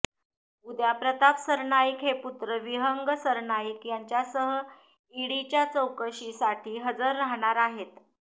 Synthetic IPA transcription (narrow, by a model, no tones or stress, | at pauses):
ud̪japɾət̪apsəɾɳaikɦeput̪ɾəʋiɦəŋɡsəɾɳaikjaɲt͡ɕjasəɦə | iɽit͡ɕjat͡səwkəɕisaʈʰiːɦəd͡zəɾːaɦɽ̃aɾaɦet̪